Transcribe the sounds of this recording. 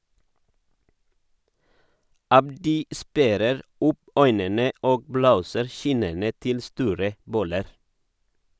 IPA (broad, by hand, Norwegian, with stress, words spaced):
ˈɑbdɪ ˈspæɾəɾ ˈʊp ˈœʏnənə ˈoːɡ ˈbloːsəɾ ˈçɪnənə ˈtɪl ˈstuːɾə ˈbɔləɾ